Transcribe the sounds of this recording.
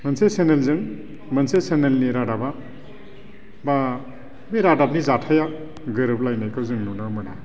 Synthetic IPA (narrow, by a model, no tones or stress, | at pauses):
mɐnsesenelzɯŋ | mɐnsesenelniɾadaba | ba | beɾadap̚nizatʰaja | ɡɯɾɯp̚lajnajkɯwzɯŋnunɯmɯna̰